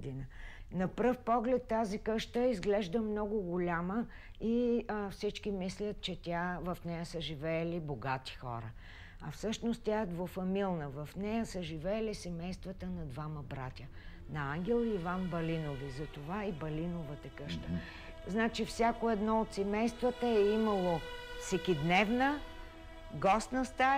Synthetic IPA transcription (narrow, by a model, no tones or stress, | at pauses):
d̪inənɐpɾəfpɔɡlɛt̪ːazikɤʃt̪əizɡlɛʒd̪əmnɔɡʊɡʊlʲamə | ifsit͡ʃkimislʲət̪̚t͡ʃɛt̪ʲavɐfnɛjəsəʒivɛːliboɡat̪i̥xɔ̰ɾə̰ | ɐfsɤʃnost̪t̪ʲaɛd̪vofɐmilˠnəvɐfnɛjəsəʒivɛːlisɛmɛjst̪vət̪ənɐd̪vaməbɾat̪ʲə | nɐaŋɡʲɛlˠiːvanbɐlinovizɐt̪ovaibɐlinovət̪ɐkɤʃt̪ə | znat͡ʃifsʲjakoɛd̪nɔot̪sɛmɛjst̪vət̪əɛimɐlˠofsɛkʲid̪nɛvnə | ɡɔst̪nəst̪a